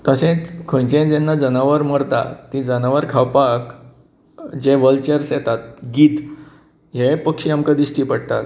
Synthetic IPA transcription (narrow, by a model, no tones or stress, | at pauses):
t̪əɕẽt͡skʰə̃nt͡ɕẽd͡zɛ̃nːad͡zənaʋəɾməɽt̪a̰t̪id͡zənaʋəɾkʰawpak | d͡ʑeʋəlt͡ɕeɾsjɛt̪at̪̚ɡiːt̪ | ɦepəkɕiamkãd̪iɕʈiːpəɽt̪a̰t̪